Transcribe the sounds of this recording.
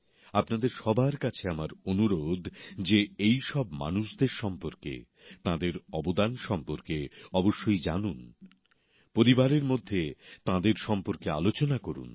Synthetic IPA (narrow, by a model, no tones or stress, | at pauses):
apnad̪eɾʃɔbʱaɾkat͡ɕʰeamaɾonuɾod̪ʱd͡ʑeejʃɔbma̰nuʃd̪eɾʃɔmpoɾkḛ | t̪ãd̪eɾɔbod̪anʃɔmpoɾkeɔboʃːojd͡ʑanun | poɾibaɾeɾmod̪ʱːet̪ãd̪eɾʃɔmpoɾkea̰lot͡ɕonakoɾṵn